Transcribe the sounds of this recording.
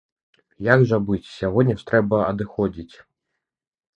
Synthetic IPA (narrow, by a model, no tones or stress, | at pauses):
jaɡʐɐbɨt͡sʲsʲaɣɔdʲnʲɐʂt̪ɾɛbɐɐd̪ɨxɔd͡zʲit͡sʲ